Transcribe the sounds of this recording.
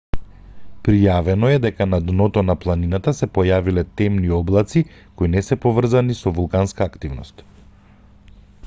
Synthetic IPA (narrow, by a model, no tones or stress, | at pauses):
pɾijavɛnɔɛd̪ɛkanad̪nɔt̪ɔnaplˠaninat̪asɛpɔjavilɛt̪ɛmniɔblˠat̪sikoinɛsɛpɔvr̩zanisɔvulˠkanskaːkt̪ivnɔst̪